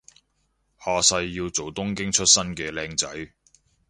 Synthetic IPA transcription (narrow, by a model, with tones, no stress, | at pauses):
haː˨sɐ˧jːiː˧wt͡so˨wt̪ʊ˥ŋkɪ˥ŋt͡ʃʰɵ˥t̚sɐ˥nkɛː˧lɛː˧ŋt͡sɐ˨˥j